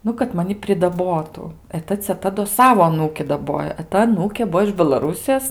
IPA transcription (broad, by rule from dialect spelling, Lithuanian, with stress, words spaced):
ˈnʊ kɐt ˈmɑːnʲɪ pʲrʲɪdɐˈboːtʊ ɛ ˈtɐ t͡sʲɛˈtɐ doː ˈsɑːʋoː ɐˈnuːkʲɪ dɐˈboːjoː ɛ ˈtɐ ɐˈnuːkʲeː ˈbuɔ ɪʃ bʲɛlˠɐˈruːsʲɪjoːs